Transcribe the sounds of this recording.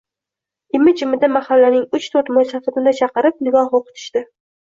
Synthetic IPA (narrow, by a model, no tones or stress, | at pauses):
ɪmɪd͡ʒɪmɪd̪amahalːanɪŋʊt͡ʃt̪ʰoɾt̪mojsafɪb̪ɪnd̪at͡ʃʰɑqɨɾɪp̚nɪɡɒhoqʰʊ̥t̪ʰɪ̥ʃt̪ɪ